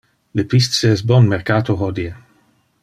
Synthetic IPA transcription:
lepist̪seɛsbɔnmeɾkaːt̪oɦɔd̪ie

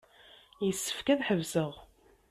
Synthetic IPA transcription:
jəsːə̥fkæðħəvsəʁ

